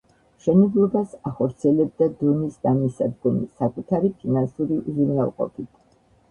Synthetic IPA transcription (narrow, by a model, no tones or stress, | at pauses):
ʃɛnɛblˠɔbasaχɔɾt̪sʰiɛlɛb̚d̪ad̪ɔnisd̪amisad̪ɡɔmisakʼut̪ʰaɾipʰinansuɾiʔuzuɾnalˠqʼɔ̰pʰit̪ʰ